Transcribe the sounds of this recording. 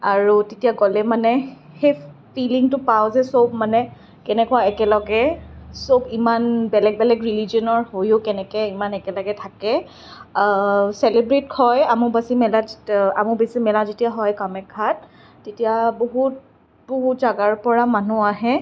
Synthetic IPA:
aɹutetijaɡolɛmanɛ | xejfiliŋtʊpawzɛsob̚manɛ | kɛnɛkʊaɛkɛlɔɡɛsobimanbɛlɛk̚bɛlɛkɹiliziɔnɔɹhojʊkɛnɛkɛimanɛkɛlɔɡɛtʰakɛ | sɛlebɹitkʰɔjamʊbasimɛlaamʊbesimɛlazetijaɦɔjkamɛkʰːat̚ː | etijaboɦut̚ | boɦutzaɡaɹpɔɹamanuaɦɛ

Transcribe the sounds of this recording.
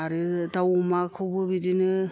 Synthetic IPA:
aɾɯtawmakʰɯbɯbidinɯ

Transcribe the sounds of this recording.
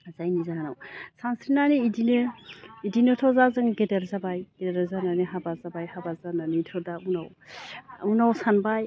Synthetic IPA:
zajnizahanawsansɾinaniidinɯidinɯtʰɔzazɯŋɡedeɾzabajɡedzananiɦabazabajhabazananitʰɔdaunaw | unawsanbaj

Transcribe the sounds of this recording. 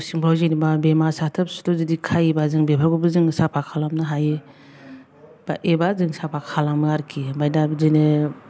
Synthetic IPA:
siŋbawzinibabemasatʰɯp̚stuzidikʰajibazɯŋbepʰaɡubɯzɯŋsapʰakʰalamnɯɦajɯ | b̥a̰ʔebazɯŋsapʰakʰalamɯaɾkʰibajdabzinɯ

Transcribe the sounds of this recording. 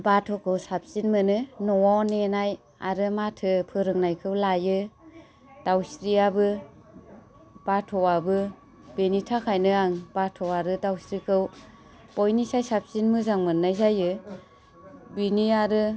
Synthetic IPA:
batʰɔkʰɯwsap̚sinmɯnɯnɔwanenaj | aɾɯmatʰɯpʰɯɾɯŋnajkʰɯwlajɯ | d̥awsɾiabɯ | b̥atʰɔwabɯ | b̥enitʰakʰajnɯaŋbatʰɔaɾɯdawsɾikʰɯw | bɔjnisajsap̚sinmɯzaŋmɯnːajzajɯ | biniaɾɯ

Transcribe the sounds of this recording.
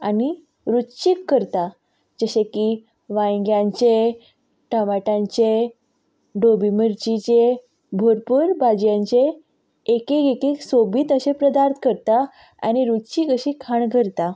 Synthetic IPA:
ani | ɾutt͡ɕikːəɾt̪a | d͡ʑəɕeki | ʋãjɡjãɲt͡ɕe | ʈəmaʈãɲt͡ɕe | ɖobiməɾt͡ɕit͡ɕe | bʱoɾpuːɾbad͡ʑjãɲt͡ɕeː | kekekeksobiːt̪əɕepɾəd̪aɾt̪ʰkəɾt̪a | a̰ñiɾutt͡ɕikəɕikʰaɳɡʱəɾt̪a

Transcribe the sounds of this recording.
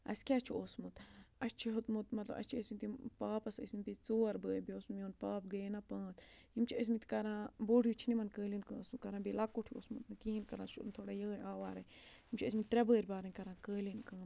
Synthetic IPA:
ɐ̰skʲaːt͡ʃʰiosmut̪ɐt͡ʃʰiɦot̪mut̪mɐt̪lɐ̰bɐ̰t͡ʃʰiəsmit̪ipaːpɐsə̰sʲmit̪it͡soːɐɾbəːɾʲbioːsmioːnpaːpɡəːnapãːt͡simt͡ʃʰiəs̬mit̪kɐɾãːboːɖʱjut͡ʃʰinimɐnkəːlinkə̃ːsukɐɾãːbilakːoʈʰio̰ːsmut̪nɨkiɦinkɐɾãːsṵt̪ʰoːɽajəːaːʋaːɾɐhimt͡ʃʰiəsmit̪ɾɛbəːɾʲbaːɾɐnʲkɐɾãːkəːlinkaːm

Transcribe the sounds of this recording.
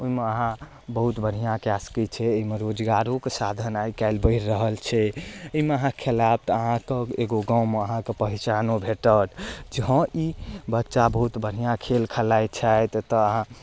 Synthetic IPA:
oimeəɦã | bəɦut̪bʱəɽ̤ijãkjaskit͡ʃʰɛːimeɾod͡ʒɡaɾokesad̪ʱənajkaɪlbəɪɾːəɦəlt͡ʃʰɛeimeəɦãkʰelab̚t̪əɦãkeeɡoɡãwmeəɦãkepəɦit͡ʃanobʱeʈəʈd͡ʒəɦə̃ʔibətːʃabəɦut̪bəɽ̤ijãkʰelkʰəlajt͡ʃʰajt̪t̪ɔəɦã

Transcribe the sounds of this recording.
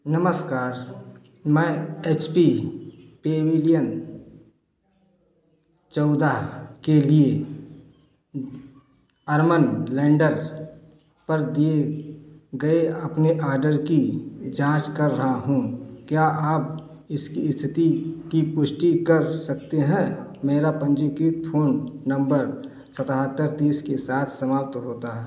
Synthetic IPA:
nəməskaːɾ | mɛ̃ːeːt͡ʃpipeːweːlijən | t͡ʃɔːd̪akelie | ɐɾmənlɛ̃ːɳɖəɾ | pɐɾd̪ie | ɡɐeɐpneʔaːɾɖəɾkid͡ʒãːt͡ʃkəɾːɐɦaɦũkjaʔaːp | ɪskist̪ʰɪt̪ikipʊʃʈikɐɾsɐk̚t̪eɦɛ̃meːɾapə̃nd͡ʒikɾiːt̪pʰoːnːə̃mbəɾ | sət̪aɦət̪ːəɾt̪iːskesaːt̪ʰsəmaːp̚t̪ɦoːt̪aɦɛ

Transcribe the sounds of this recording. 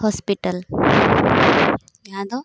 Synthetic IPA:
hɔspiʈəl | jad̪o

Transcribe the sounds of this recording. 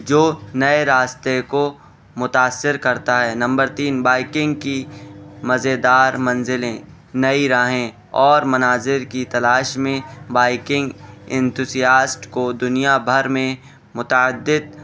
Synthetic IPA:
d͡ʒoːnɐeɾaːst̪eko | mʊt̪aːsːɪɾkɐɾt̪aɦɛːnɐ̃mbəɾt̪iːnbaːɪkɪ̃ŋɡkimɐzed̪aːɾmɐ̃nzɪlẽ | nɐiɾaɦẽ | ɔːɾmɐnaːzɪɾkit̪ɐlaːʃmẽbaːɪkɪ̃ŋɡɛ̃nt̪ʰuzijaːsʈkod̪ʊnijabʱɐɾmẽ | mʊt̪aəd̪ːɪd̪̚

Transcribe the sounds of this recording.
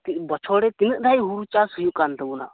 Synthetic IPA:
t̪ibɔt͡ʃʰɔɽɛt̪inət̪̚ˀd̪ʱajɦuɾut͡ʃasujũkand̪ɔbuna̰

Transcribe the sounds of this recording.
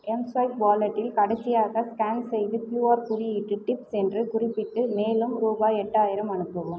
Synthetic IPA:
ɛmsʋɐɪkbaːlɐʈːɪlkɐɽɐɪsɪjaːɣɐskaːnsɛjðɯkluːaːɾpʊɾɪjɪʈːɯʈɪpsɛndrɯkʊrɪpːɪʈːɯmeːlɯmɾuːbaːɛʈːaːjɪɾɐmɐɳɯpːɐʋɯm

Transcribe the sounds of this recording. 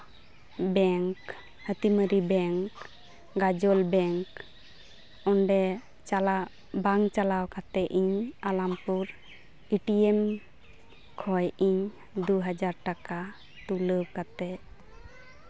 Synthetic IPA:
bɛŋk | hət̪iməɾibɛŋk | ɡad͡ʒɔlbɛŋk | ɔɳɖɛ | t͡ʃala | baŋt͡ʃalawkat̪ɛʔʔiɲalampuɾ | iʈiɛm | kʰɔjiɲ | d̪uɦad͡ʒaɾʈaka | t̪uləb̚kat̪ɛʔ

